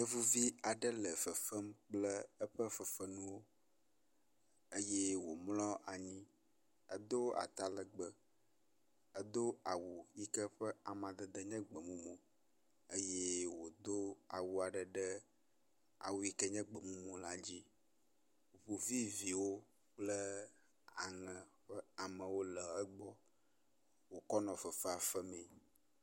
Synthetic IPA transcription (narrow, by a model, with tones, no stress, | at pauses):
ə˦vu˦vi˦a˨ɖə˦lə˨fə˨fə˦mk͡plə˦ə˦ɸə˦fə˨fə˨nũ˦wo˦ | ə˦jɛ˦wo˨mlɔ˦ʔa˨ɲĩ˦ | ə˦d̪o˦a̰˨t̪a˦lə˨ɡ͡bə˨ | ə˦d̪o˦a˨wu˨ji˦kɛ˦ɸə˦a˨mã˨d̪ə˨d̪ə˨ɲɛ̃˦ɡ͡bə˨mũ˦mõ˨ | ə˦je˦wo˨d̪o˦a̰˨wu˨a˨ɖə˨ɖɛ˦ | a̰˨wu˨ji˦kə˦ɲɛ̃˦ɡ͡bə˨mũ˦mõ˨la˦d͡ʑi˦ | βo˨vi˦vi˨wo˦ | k͡plə˦ | a̰˨ŋə̃˨ɸə˦a˨mə̃˨wo˦lə˨ə˦ɡ͡bɔ˦ | wo˨kɔ˦nɔ̃˨fə˨fɛ˦a˨fə˦mɛ̃˨